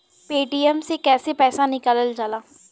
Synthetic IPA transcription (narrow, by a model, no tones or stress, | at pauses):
peːʈiːɛmsekɛːsepɛːsanɪkələld͡ʒaːlaː